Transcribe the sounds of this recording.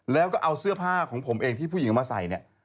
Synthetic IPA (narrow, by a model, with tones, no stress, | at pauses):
lɛː˦˥wkɔː˥˩ʔa˧wsɯ˥˩ɐpʰaː˥˩kʰɔː˩˦ŋpʰo˩˦mʔeː˧ŋt̪ʰiː˥˩pʰuː˥˩˨i˩˦˧maː˧sa̰˩˦jni˥˩